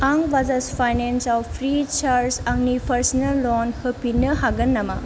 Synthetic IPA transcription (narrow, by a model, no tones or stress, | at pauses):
aŋbazɐspʰajnensɔpʰɾit͡ʃaɾsaŋnipʰɐɾsnɐlːɔnhɯpinəɦaɡɐnːɐma